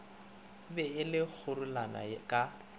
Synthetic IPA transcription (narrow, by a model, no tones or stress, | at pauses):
bɛɪlɪk͡xʰʊɾʊlana̰kʼa